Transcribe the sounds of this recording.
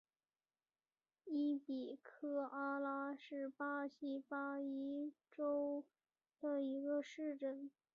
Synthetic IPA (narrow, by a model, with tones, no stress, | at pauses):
i˥pi˨˩kʰɤ˥ʔɑ˥lɑ˧˥ʂɻ̩˥˧pɑ˥ɕi˥pɑ˥i˥ʈ͡ʂo˥ʊ | d̪ə˨i˧˥ɡə˧ʂɻ̩˥˧˩ʈ͡ʂə˥˩n